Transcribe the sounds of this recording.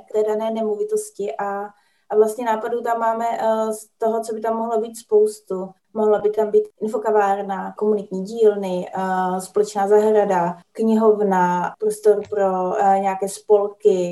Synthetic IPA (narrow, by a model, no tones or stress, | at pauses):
kt̪ɛːdanɛːnɛmovɪt̪oscɪʔa | ʔvlast̪ɲɛnaːpaduːt̪amːaːmɛst̪o̞ɦot͡so̞bɪt̪amːoɦlobiːt̪spowst̪u | moɦlabɪt̪ambiːt̪ʔɪnfokavaːɾnakomunɪt̪ɲiːɟiːlnɪspolɛt͡ʃnaːzaɦɾadakɲɪɦovnapɾost̪oɾpɾo̞ɲɛakɛːspo̞lkɪ